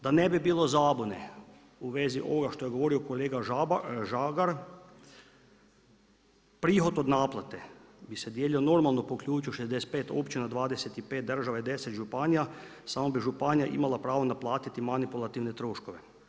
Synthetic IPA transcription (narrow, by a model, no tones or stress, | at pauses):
d̪anebibiːlo̞zaːbonḛ | uʋeziʔo̞̰ʋoɡaʃt̪ojeɡo̞ʋo̞ɾiokoleːɡaʒaɡaɾ | pɾiːxo̞t̪od̪naːplˠat̪e̞bised̪jeːlio̞no̞ɾmalˠnopokʎʲuːt͡ʃioʃezd̪ese̥t̪̚peːt̪o̞̰pt͡ʃinad̪ʋaːd̪eset̪ipeːt̪̚d̪r̩ʒaʋaid̪eset̪ʒupanijasamobiʒupanijaʔḭmalˠapɾaːʋonaplˠaːt̪it̪imanipulˠat̪iʋne̞t̪ɾoːʃko̞ʋe